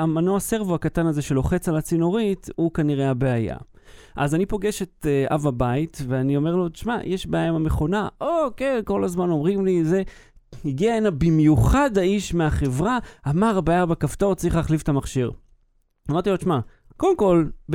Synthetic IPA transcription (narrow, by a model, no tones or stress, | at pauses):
amanoase̞ʁvoakatanaze̞ʃe̞lo̞χe̞t͡salat͡sinoʁitukaniʁe̞habeaja̰ | ʔazanipo̞ɡe̞ʃe̞ta̰vabaitveanio̞me̞ʁlood̪ʃmajʔeʃbajemameχo̞naʔokeko̞lazmano̞mʁimlize | hiɡiaenabimjuχad̪haiʃmeaχe̞vʁaamaʁabajabekaftot͡sʁiχlaːχlifetamaχʃiʁ | amaʁt̪ilod̪ʃma | kolemko̞lb